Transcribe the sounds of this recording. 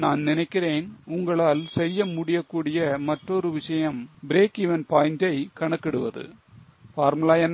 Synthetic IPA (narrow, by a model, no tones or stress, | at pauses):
naːnnɪnɐɪkːɪɾeːnʊŋɡɐɭaːlsɛjːɐmʊɽɪjɐkːuːɽɪjɐmɐʈrɔɾɯʋɪʂɐjɐmbɪɾeːkɪʋɐnpaːjnd͡ʒɐɪkɐɳɐkːɪɽɯʋɐðɯ̰ | faːɾmʊlaːjɐn